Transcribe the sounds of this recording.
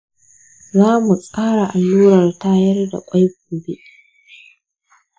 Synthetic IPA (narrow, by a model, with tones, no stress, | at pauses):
zaː˦mu˨sʼaː˦ɽa˨ʔa˨lːuː˦ɾɐ˨rtaː˦jɐ˦rda̰˨kʷʼa˦jɡ̚ʷuː˨be˦ʔ